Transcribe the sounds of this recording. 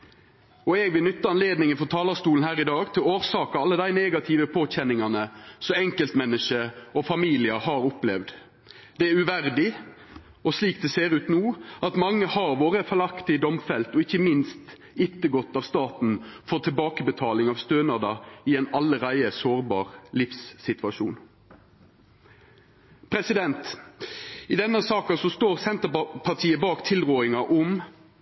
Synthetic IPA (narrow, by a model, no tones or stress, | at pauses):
ɔɛɡʋɪlnʏt̪ːəɑnleːd̪nɪŋənfɔʁt̪ʰɑːlɑst̪uːn̩hæːʁɪd̪ɑːɡt̪ʰɪloːʁsɑːkɑɑlːəd̪æɪneːɡɑt̪ʰɪːʋəpʰoːc͡çɛnɪŋɑnəsɔɛŋkəlt̪mɛnːəʂəɔfɑmiːlɪəhɑɾʊplɛʋd̪ | d̪ɛæɾʉʋæʁd̪ɪ | ɔsliːk̚d̪ɛseːɾʉːt̪nuːɑt̪mɑŋːəhɑʁʋoːɾəfɛlɑkt̪ɪd̪ɔmfɛlt̪ɔɪçːəmɪnst̪ | ɪt̪ːəɡɔt̪ːɑʋst̪ɑːt̪n̩fɔt̪ʰɪlbɑːkəbət̪ʰɑːlɪŋɑʋst̪øːnɑd̪ɑɪɛɪnɑlːəɾæɪəsoːʁbɑ̰ːʁlɪfsːɪt̪ʋɑʃuːn | pʰɾɛsɪd̪ɛnt̪ | ɪd̪ɛnːəsɑːkɑsɔst̪oːʁsɛnt̪əpʰɑʁt̪ʰiːəbɑːkt̪ʰɪlʁoːɪŋɑʔʊm